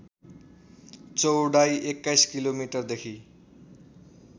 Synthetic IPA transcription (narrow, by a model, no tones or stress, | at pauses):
t͡sowɖajʔekːajskilomiʈʌrd̪ekʰi